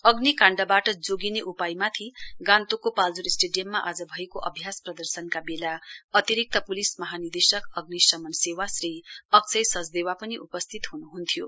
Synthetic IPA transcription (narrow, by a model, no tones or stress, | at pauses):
ʌɡnikãɳɖʌbaʈʌd͡zoɡineʔupajmat̪ʰiɡãnt̪ukːopald͡zuɾisʈeɖijʌmːaʔad͡zʌbʱʌekoʔʌbʱjasprʌd̪ʌrsʌnkabelaʌt̪iɾik̚t̪ʌpulismʌɦanird̪esʌkʌɡnisʌmʌnsewasriʌk̚t͡sʰʌjsʌd͡zd̪ewapʌniʔupʌst̪ʰit̪ɦunuɦunt̪ʰijo